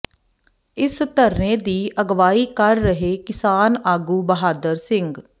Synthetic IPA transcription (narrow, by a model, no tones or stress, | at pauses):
ɪst̪əɾnẽːd̪iːʔəɡʋaːiːkəɾːəɦeːkɪsaːnaːɡuːbəɦaːd̪əɾsɪ̃ŋɡ